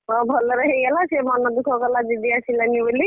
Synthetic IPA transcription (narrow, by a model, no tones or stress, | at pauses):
ɔbʱɔlɔɾɔɦejalasemɔnɔd̪ukʰɔkɔlad͡ʒid̪iasilanibɔli